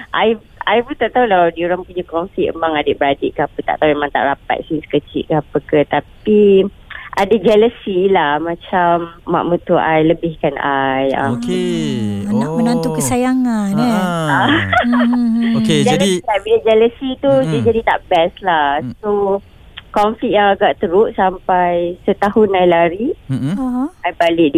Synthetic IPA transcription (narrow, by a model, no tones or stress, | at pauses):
ʔa̰j | ajbut̪aʔt̪aɦulawdioɾaŋpuɲakɔnsiə̰maŋadɪʔbəɾadɪʔkəapət̪aʔt̪auemãŋt̪a̰ʔɾapa̰t̪̚sisə̥kət͡ʃḭʔ̚kəapəkət̪api | ʔadad͡ʒɛləsilahmãt͡ʃamːa̰ʔmut̪uʔajləbɪhkanajə̰mk | anaʔ̚mənant̪ukəsajaŋanɛa | oked͡ʒɛaləisiabid͡ʒɛləsit̪ud͡ʒəd͡ʒadit̪a̰ʔbɛslahso | kɔɱflik̚jaŋaɡaʔt̪əɾʊʔsampajsət̪ahʊnajlaɾi | ajbalɪʔd